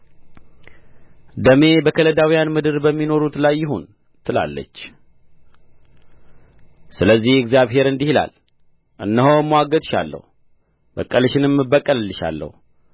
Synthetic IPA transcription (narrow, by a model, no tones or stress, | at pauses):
d̪əme̞bəkʰələd̪awijanmɨd̪ɨɾbəmːino̞ɾut̪lajːɪɦun | t̪ʰɨla̰lːə̰t͡ʃː | sɨləzːihɪɡzjaβɦe̞ɾɨnd̪ihila̰l | ʔɨnːəhomːwaɡət̪ʃa̰lːə̰hu | b̥əkʼːəlɨʃɪnɨmɨbəkʼːəlɨlːɨʃa̰lːə̰hu